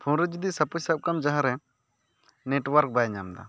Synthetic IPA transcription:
pʰũɾəd͡ʒd̪isɐpusəp̚kamd͡ʒaɦãɾɛ | neʈwaɾk̚bajɛɲamd̪a̰

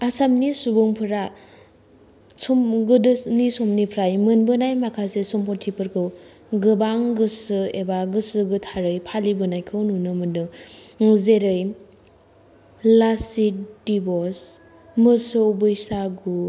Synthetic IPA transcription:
asamnisubuŋpʰɯɾa | sumɡɯdɯnisomnipʰɾajmɯnbɯnajmakʰasesɔmpɔɾtʰipɯɾkʰɯw | ɡɯbaŋɡɯsɯebaɡɯsɯɡɯtʰaɾɯjpʰalibɯnajkʰɯwnunɯmɯnɯŋzeɾɯj | lasidibɔs | mɯsɯwbɯjsaɡu

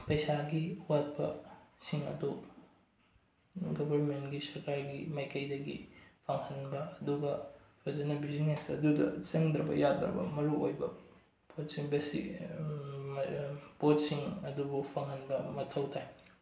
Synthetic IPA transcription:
pɐjsaɡiwat̚pɐ̰siŋɐ̰du | ɡobʱɐɾmentɡisɐɾkaɾɡimɐjkɐjdɐɡḭpʰaŋhɐnbɐɐduɡɐ | pʰezɐnɐbiznesɐ̰dudɐ̰t͡ʃeŋd̪ɾɐbɐ̰jad̪ɾɐ̰bɐ̰mɐɾuojbɐ | pot̚siŋbesḭ | pot̚siŋɐdubupʰɐŋhɐnbɐmɐtʰɐwtʰaj

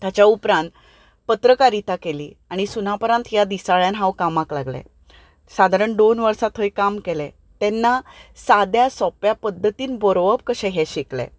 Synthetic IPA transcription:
t̪jat͡ɕjaupɾãnt̪ | pət̪ɾəkaɾit̪akelḭːaɽ̃isunapɾãnt̪jad̪isaɭjãnɦãwkamaklaɡlɛ̰ | sad̪ʱaɾəɳɖ̪onʋəɾsat̪ɦəjkamkelɛ | t̪ɛnːasad̪jasɔpjapəd̪ʱːət̪iːnbɔɾʋəp̚kəɕɛ̃ɦɛɕiklɛ̰

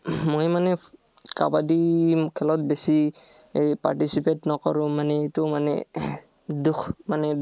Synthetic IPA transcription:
mojmanɛ | kabadikʰɛlɔt̚besi | jpa̰ɹtisipetnɔkɔɹʊ̃manɛitʊmanɛ̰ | duxmanɛ

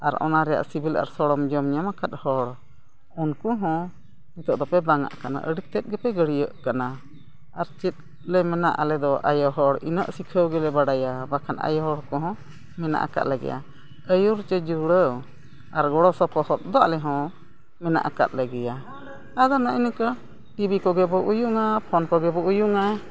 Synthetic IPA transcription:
aɾʔɔ̰naɾɛja̰ʔsibila̰ɾsɔɽɔmd͡ʒɔmɲamakat̪̚hɔɽ | unkuɦɔ̃ | mit̪ɔʔd̪ɔpɛbaŋa̰ʔkana̰ʔə̰ɽik̚t̪ɛt̪̚ɡɛpɛɡəɽijəʔkana | aɾt͡ʃɛt̪̚ˀ | lɛmɛnaʔalɛd̪ɔʔa̰jɔɦɔɽḭnə̰ʔsikʰəwɡɛlɛbaɽajabakʰana̰jɔɦɔɽkɔɦɔ̃ | mɛna̰ʔa̰ka̰ʔ̪ləɡɛ̰ja̰ | əjuɾt͡ʃɛd͡ʒuɽəw | aɾɡɔɽɔsɔpɔhɔt̪̚d̪ɔaʔlɛɦɔ̃ | mɛna̰ʔaka̰t̪̚ləɡɛja | ad̪ɔnaʔinikə | ʈibikɔɡɛbɔʔujuŋapʰɔnkɔɡɛbɔʔujuŋa

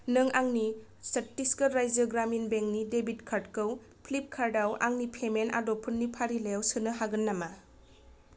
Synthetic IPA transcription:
nɯŋaŋnisɐtːiskəɾajzɯɡɾaminbeŋnidebitkʰaɾt̚kɯw | pʰlip̚kʰaɾdawa̰ŋnipʰemena̰dopʰunːipʰaɾilejawsɯnɯɦaɡɯnːama

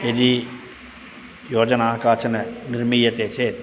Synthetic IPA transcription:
eɾi | joːd͡ʒɐnaːkaːt͡ʃɐnɐniɾmijɐt̪eːt͡ʃeːt̪

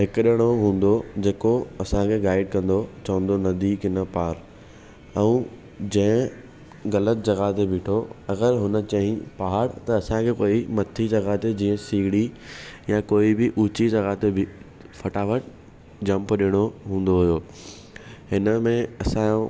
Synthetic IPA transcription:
ɦɪkɗɪɽ̃oɦũːn̆d̪od͡ʑeːkoɐsãkʰeɡaːɪɖ̚kɐ̃nd̪ot͡ɕɐʋə̃nd̪onɐd̪iːkɪnəpaːɾ | ɛ̃ | d͡ʑɐ̃ɦɪ̃ | ɣɐlət̪̚d͡ʑɐɣaːt̪ebɪːʈʰoɐɣəɾɦʊnə̆t͡ɕɐɦĩpaɦaɾt̪ɐɐsãkʰekoːimɐt̪ʰid͡ʑɐɣaːt̪ed͡ʑĩːə̃siːɡɽijãkoːibɪʔuːt͡ɕid͡ʑɐɣaːt̪ebɪ | fʰɐʈaːʋəʈ | d͡ʑɐ̃mpɗiɽ̃oɦũːn̆d̪oɦʊjoː | hɪnəmẽɐsã

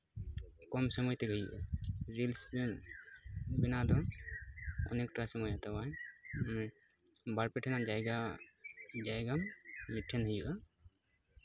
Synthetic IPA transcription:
kɔmsɔmɔjt̪ɛɡʱəjuʔaɾilspin | binad̪ɔ | ɔ̰nekʈɾasɔmɔjat̪awaj | baɾpɛʈʰɛnad͡ʒajɡa | d͡ʒajɡammiʈʰːenɦəjuʔa

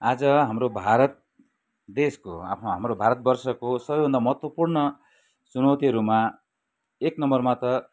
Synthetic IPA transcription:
ad͡zʌɦamɾobʱaɾʌt̪̚ | d̪esko̰a̰pʰnoɦamrobʱaɾʌt̪̚bʌrsʌkosʌbʌjbʱʌnd̪amʌɦʌt̪wʌpurnʌ | sunʌwt̪iɦʌɾuma | eknʌmbʌrmat̪ʌ

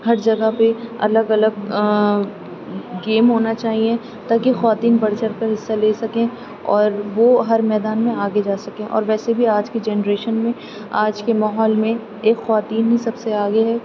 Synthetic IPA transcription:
hɐɾd͡ʒɐɡapeɐ̰ləɡɐləɡ̚ | ɡeːmɦoːnat͡ʃaːɦiẽ | t̪aːkixɔʋaːt̪iːnbɐɽt͡ʃəɽkɐɾɦɪsːaleːsɐkẽ | ɔːɾʋoɦɐɾmɛːd̪aːnmẽaːɡed͡ʒaːsɐkẽʔɔ̰ːɾʋɛːsebʱiaːd͡ʒked͡ʒɛːnɾeːʃənmẽ | aːd͡ʒkemaːɦɔːlmẽ | eːkxɔʋaːt̪iːnɦisɐbseaːɡeɦɛː

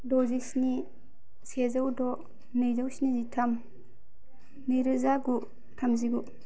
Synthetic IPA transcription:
dɔziksni | sezawdɔ | nɯjzawsinizitʰam | nɯjɾɯzaɡu | tʰamziɡu

